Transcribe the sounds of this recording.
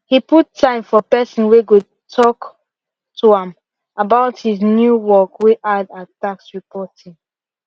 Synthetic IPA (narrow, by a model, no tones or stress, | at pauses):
hiputʰːãɪ̃mfɔpɛsɔ̃nweɡu | tʰɔk | tʰuãm | abaʊthiznjuwɔkwiʔadataksɹipʰɔtʰĩŋ